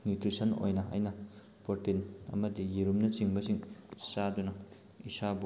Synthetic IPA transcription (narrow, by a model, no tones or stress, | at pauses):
nutɾisɐno̰jnɐɐ̰jnɐ | poɾtinɐ̰mɐdijiɾumnɐt͡ʃiŋbɐsiŋsadunɐ | isabu